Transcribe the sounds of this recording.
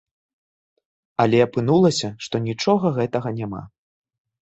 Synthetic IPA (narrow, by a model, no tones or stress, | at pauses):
ɐlʲɛɐpɨnulˠɐsʲɐʂt̪ɔnʲit͡ʂɔɣɐɣɛt̪ɐɣɐnʲama̰